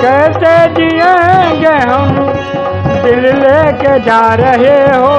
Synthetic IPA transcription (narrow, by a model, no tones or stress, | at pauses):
kɛɦt̪ed͡ʒiẽɡeɦəm | d̪ɪlleked͡ʒaːɾəɦeɦoː